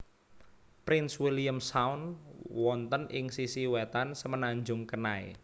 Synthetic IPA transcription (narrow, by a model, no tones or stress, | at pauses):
pɾɪnswiliəmsaunwɔnt̪ənʔɪŋsisiwɛt̪ansəmənaɲd͡ʒʊŋkənaḛ